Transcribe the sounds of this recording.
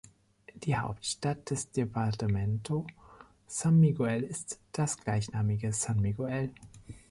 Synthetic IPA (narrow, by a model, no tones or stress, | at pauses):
d̥iːha̰ʊptʃtat̚d̥ɛsd̥epʰaʁtəmɛntʰo | sanmiɡoɛlɪstd̥asɡ̥laɪçnaːmɪɡəsanmiɡoɛl